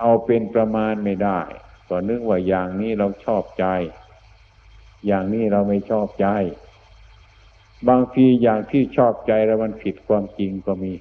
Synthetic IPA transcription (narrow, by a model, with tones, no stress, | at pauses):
ʔa˧wpe˧npɾa˧maː˧nma˥˩jdaː˥˩jkɔː˧˩nɯ˦˥k̚waː˧˩jaː˨˩ŋniː˦˥˩ɾa˧wt͡ɕʰɔː˥˩p̚t͡ɕa˧j | jaː˨˩ŋniː˥˩ɾa˧wma˥˩jt͡ɕʰɔː˥˩p̚t͡ɕa˧j | baː˧ŋt̪ʰiː˧jaː˨˩ŋt̪ʰiː˥˩t͡ɕʰɔː˥˩p̚t͡ɕa˧jlɛ˦˥˩wma˧npʰi˨˩t̪̚kʰwaː˧mt͡ɕi˧ŋkɔː˥˩miː˧˥